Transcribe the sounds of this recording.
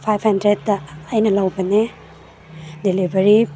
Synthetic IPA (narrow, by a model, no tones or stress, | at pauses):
pʰajphɐndɾed̚ːɐːjnɐlawbɐne | delibʱɐɾi